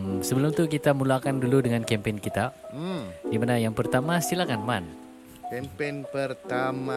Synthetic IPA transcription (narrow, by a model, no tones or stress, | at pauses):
səbəlʊmt̪ukit̪amulakanduludəŋankɛmpenkit̪a | dimanajaŋpərt̪amasilakanman | kɛmpenpərt̪ama